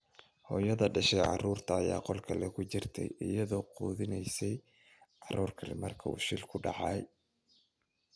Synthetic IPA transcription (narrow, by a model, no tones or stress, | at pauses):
hɔːjɐðɐɖɐʃɛjʕɑ̰ruːrt̪ʰɐːja̰ːqɔlkʰɐlɛkʰʊt͡ʃɪrt̪ʰɛ̰jɪjɐðɔːquːðɪnɛjsɛj | ʕɑruːrkʰɐlɪ̰mɐrkʰɐṵːʃɪlkʰʊɖɑ̰ʕɑj